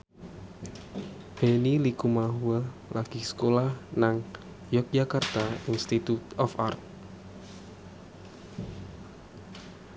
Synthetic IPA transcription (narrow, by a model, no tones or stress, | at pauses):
b̥enilikumaɦualaɡ̥i̤sə̥kolahnaŋ | jɔk̚d͡ʒakart̪ainst̪it̪ut̪ɔfa̰rt̪̚